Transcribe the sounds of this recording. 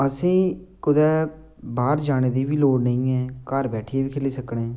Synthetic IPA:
əsĩːkʊd̪ɛː | baːɾd͡ʒaːñeːd̪iːbiːloːɽnəĩːɛːkəɾbɛːʈʰieːbiːkʰɪliːsəkɽeː

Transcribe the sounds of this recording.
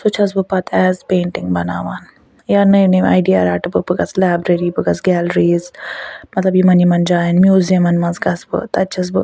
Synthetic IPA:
sut͡ʃʰɐs̬bɨpɐt̪ʰɛzpeːɳʈiŋɡbɐnaːʋaːn | jaɾnɐjineːmʲa̰ːjɖiaɾaːʈɨpɨpɨkɐt͡slaːbɾeɾiːbɨɡɐsɡʲɛːlɾiːzmɐt̪lɐbjimɐnimɐnd͡ʒaːjɐnmjuːzijɐmɐnmɐnzɡɐsbɨ̰t̪ɐt͡ʃʰɐs̬bɨ̰

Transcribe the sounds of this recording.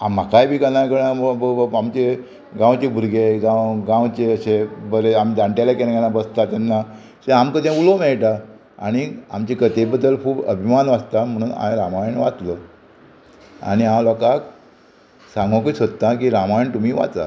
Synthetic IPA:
amːakajbʱiːkənajkəɽãmbəamt͡ɕe | ɡãwt͡ɕebʱuɾɡeɡãwɡãwt͡ɕeəɕebəɾeamid̪aɳʈalakelãkanãbəst̪at̪anːa | sẽamkət̪ẽulomɛɭʈa | a̰ɽ̃ia̰mt͡ɕekət̪ebəd̪ːəlkʰuːpə̰bʱimanʋast̪am̤əɽ̃ũːna̰ẽɾamajɳʋat̪lə | a̰ɽ̃iɦãmlɔkak | sãŋɡõkisəd̪ət̪ãkiːɾamajɳt̪um̤iːʋa̰t͡s̪a̰

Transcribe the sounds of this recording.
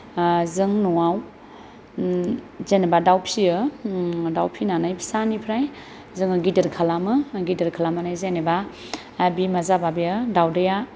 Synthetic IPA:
zɯŋnɔaw | zenebadawpʰiɯ | dawpʰinanajpʰi̥sanipʰɾaj | zɯŋɯɡidɯɾkʰalamɯɡidəɾkʰalamanajzeneba | bimazababiɯdawdɯja

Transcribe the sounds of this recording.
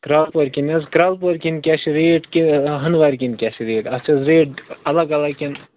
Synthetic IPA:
kɾalpoɾkʲinɐzkɾalpoɾʲkʲinkʲaʃiɾeːʈkʲiɦɐnʋaɾʲkʲinkʲaʃiɾeːʈɐst͡ʃʰɐzɾeːʈ̚ɐlɐɡɐlɐɡkʲin

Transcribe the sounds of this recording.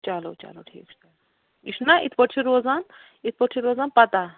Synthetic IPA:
t͡ʃalɐwt͡ʃa̰lɐwʈʰḭːkʰ | iʂʰnaʔḭt̪ʰpəʈt͡ʃʰiɾozan | it̪ʰpəʈt͡ʃʰiɾoːzaːnpɐt̪a

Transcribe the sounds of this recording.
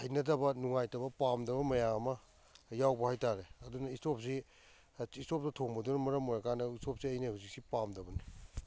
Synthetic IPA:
hɐjnɐdɐbɐnuŋajtɐbɐpamdɐbɐmɐjaɐmɐ | jawbɐhajtaɾeɐdunɐistop̚si | istop̚tɐtʰoŋbɐdunmɐɾɐmojɐkanɐistop̚siɐjnehawzik̚sipamdɐbɐni

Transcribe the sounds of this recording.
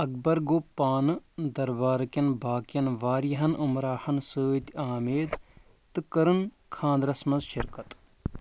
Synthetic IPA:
ɐk̚bɐɾɡoːpːaːnɨd̪ɐɾbaːɾkjɐnbʱaːkjɐnʋaːɾjɐɦɐnʔumɾaːhɐnsəːt̪aːmeːd̪ | t̪ɨkɐɾɨn | kʰãːnd̪ɾɐsmɐnzʃɪɾkɐt̪

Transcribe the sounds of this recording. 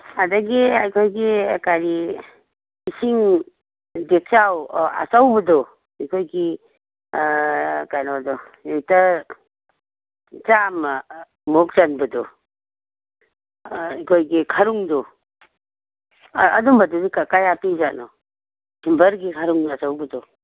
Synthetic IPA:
ɐdɐɡiajkʰojɡikaɾi | isiŋ | dek̚t͡ʃawa̰t͡ʃawbɐdɔ | ikʰojɡi | kajnodɔ | jejtɐ | t͡ʃam | mok̚zanbɐdɔ | ikʰojɡikʰɐɾuŋdɔ | ɐdumbɐdudikakajapiwzanɔ | hʰimbɐɾɡikʰaɾuŋdat͡ʃawbɐdɔ

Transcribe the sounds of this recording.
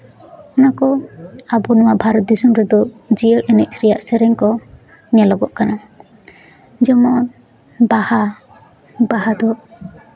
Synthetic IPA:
ɔnakɔabɔnɔwabʱaɾɔt̪̚d̪isumɾɛd̪ɔd͡ʒiəɾɛnɛʔ̚sɾijaʔsɛɾɛŋkɔ | nɛlɔɡɔʔ̚kana | d͡ʒɛmɔn | baha | bahad̪ɔ

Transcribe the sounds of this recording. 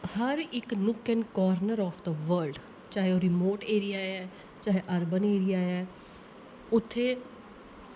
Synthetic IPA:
həɾɪknʊkʰːənkɔːɾnəɾɔːfʰd̪əʋəɾɖ | t͡ʃaːɦeoːɾɪmoːʈeːɾijaːɛː | t͡ʃaːɦeʔəɾbəneːɾɪjaːɛː | ʊt̪ʰːeː

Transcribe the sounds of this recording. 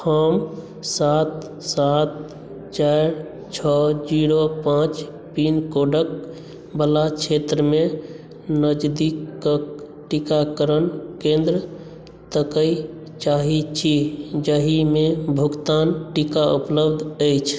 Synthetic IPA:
həm | sat̪ | sat̪̚ | t͡ʃaɾ | t͡ʃʰɔd͡ʒiɾopãt͡ʃ | pinkoɖək̚ | bəlat͡ʃʰet̪ɾəme | nəd͡ʒd̪ikːək | ʈikakəɾənkẽnd̪ɾə | t̪əkəj | t͡ʃaɦit͡ʃʰid͡ʒəɦimebʱukt̪anʈikaupləbd̪ʱəjt͡ʃʰ

